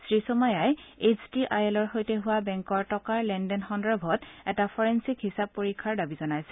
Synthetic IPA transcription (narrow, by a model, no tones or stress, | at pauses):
sɹisɔmajajesʰtiʔajelɔɹxojtɛɦʊwabɛŋkɔɹtɔkaɹlɛndɛnxɔndɹɔbʱɔtɛtapʰɔɹensikɦisab̚pːoɹikʰːaɹdabizɔnajsɛ̥